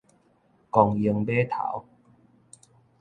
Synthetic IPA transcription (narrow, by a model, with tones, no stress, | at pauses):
kɔ˧ŋji˧əŋbe˦t̪ʰa̰˨˦w